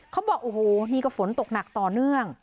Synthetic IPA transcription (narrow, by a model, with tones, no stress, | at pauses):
kʰa˦˥wbɔː˨˩k̚ʔoː˨˩hoː˨˩niː˥˩kɔː˥˩fo˩˦nt̪o˨˩k̚na˨˩k̚t̪ɔː˨˩nɯ˥˩əŋ